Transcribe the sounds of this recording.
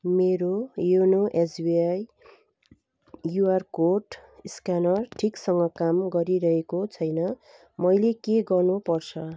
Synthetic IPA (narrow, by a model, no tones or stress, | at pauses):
meɾojunoʔesbiaj | juarkoʈskanʌrʈʰiksʌŋɡʌkamɡʌɾiɾʌɦekot͡sʰʌjnʌ | mʌjlekeɡʌrnupʌrt͡sʰʌ